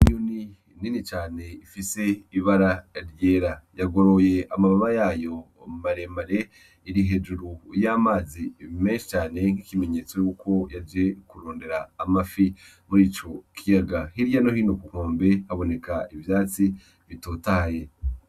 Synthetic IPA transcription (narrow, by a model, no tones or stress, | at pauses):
ɲuni | ninit͡ʃaːne̞ifise̞iβaɾaɾjeːɾajaɡo̞ɾojeamaβaβajaːjo̞ | maɾe̞maɾe | iɾiɦe̞d͡ʒuɾujaːmaːzimeːnʃi̥t͡ʃaːne̞ŋ̥hikime̞ɲe̞ːt͡so̞juːkʰo̞jad͡ʒe̞kuɾoːnde̞ɾaːmafi | muɾiːt͡ʃo̞kʰijaɡahiɾijano̞hiːnokukoːmbe̞haβo̞ne̞kaivjaːt͡si | βitoːtaje